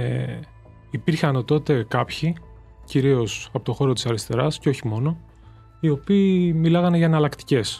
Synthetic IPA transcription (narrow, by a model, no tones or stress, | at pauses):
ipiɾçɐnot̪o̞t̪e̞kɐpçi | ciɾio̞sɐpo̞t̪oxo̞ɾot̪i̥sɐɾist̪e̞ɾɐsceo̞çimo̞no̞ | io̞piːmilɐɣɐneʝɐenɐlɐkt̪i̥ce̞s